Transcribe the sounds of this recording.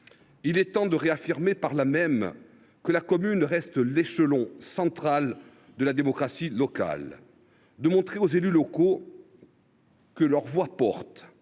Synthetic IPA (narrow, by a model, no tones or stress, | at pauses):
ilɛt̪ɑ̃d̪əʁeafiʁmepaʁlamɛm | kəlakɔmynʁɛst̪leʃəlɔ̃sɑ̃t̪χal | d̪əlad̪emɔkχasilɔka̰l | d̪əmɔ̃t̪χeozelylɔko | kəlœʁvwapɔʁt̪